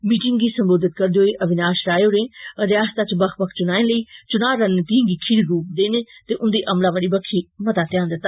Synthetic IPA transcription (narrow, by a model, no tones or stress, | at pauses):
miːʈɪŋɡɡiːsəmboːd̪ɪt̪̚kəɾd̪eɦoːeʔəʋɪnaːʃɾaːjoːɾẽːəɾjaːst̪aːt͡ʃbəkʰpəkʰt͡ʃʊnaːẽnləiːt͡ʃʊnaːɾənt̪iːŋɡiːkʰɪɾɡuːpd̪eːneːt̪eːʔʊ̃nd̪eːʔəmlãːʋəɽiːbəkʰːiːmɐt̪aːt̪ɪjãːnd̪ɪt̪ːa